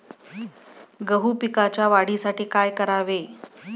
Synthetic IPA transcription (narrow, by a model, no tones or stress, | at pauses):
ɡəɦuːpikat͡ɕjaʋaɽ̤iːsaʈiːkajkəɾaʋe